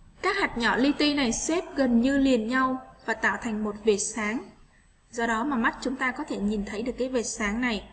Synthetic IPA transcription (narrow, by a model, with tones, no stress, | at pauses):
kaː˦˥k̚ha˨˩t̚ɲɔ̰˧˩li˧t̪i˧na˨˩jse˦˥p̚ɣə˨˩nɲɨ˧li˨˩ənɲa˧wvaː˨˩t̪a̰ː˧˨wt̪ʰa˨˩jŋ̟mo˨˩t̚ve˨˩t̚saː˨˦ŋ | zɔ˧ɗɔ˨˦maː˨˩ma˦˥t̚t͡ɕʊ˨˦ŋ͡mt̪aː˧kɔ˨˦t̪ʰe˧˩ɲi˨˩nt̪ʰə˨˦jɗɨ˨˩əkːjve˨˩t̚saː˨˦ŋna˨˩j